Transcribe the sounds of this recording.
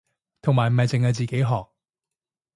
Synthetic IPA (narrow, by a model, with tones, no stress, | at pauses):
t̪ʰʊ˨˩ŋmaː˨˩m̩˨hɐ˨jt͡sɪ˨ŋhɐ˨˧wt͡siː˨ke˨˥jɦɔː˨k̚